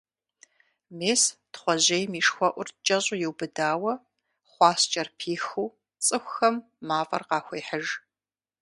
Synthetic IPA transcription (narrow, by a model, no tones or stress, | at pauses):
meːstχʷɔʑejmiːʂxʷɔʔʷʊrt͡ʃʼɐɕʼʊjɪwbɨdaːwɐ | χʷɑːst͡ʃʼɐrpʰiːxuː | t͡sʼɨxʷxɐmː | aːfʼɐ̰rqɑːxʷeːħəʒ